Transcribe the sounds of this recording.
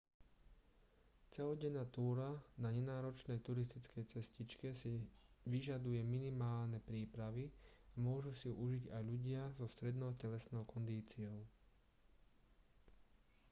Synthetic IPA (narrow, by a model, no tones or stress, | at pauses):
t͡sɛɦɔɟɛnat̪uːɾanaɲɛnaːɾɔt͡ʃnɛjt̪uɾis̬t̪it͡skɛjt͡sɛscit͡ʃkɛsiʋiʒad̪ujɛminimaːlnɛpɾiːpɾaʋi | amʊɔʒusijuʔuʒiɟajʎuɟɪazɔst̪ɾɛd̪nɔʊcɛlɛsnɔʊkɔnd̪iːt͡siɔʊ